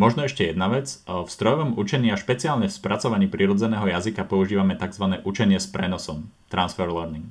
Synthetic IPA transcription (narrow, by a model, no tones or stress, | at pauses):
mɔʒnɔɛʃcɛjɛd̪naʋɛd͡zfst̪ɾɔjɔʋɔmut͡ʃɛɲɪaʃpɛt͡siaːlɲɛfspɾat͡sɔʋaɲiːpɾiɾɔd͡zɛnɛːɦɔjazikapɔuʒiːʋamɛt̪aɡzʋanɛːʔut͡ʃɛɲɪɛspɾɛnɔsɔmt̪ɾansfɛɾlɛɾniŋɡ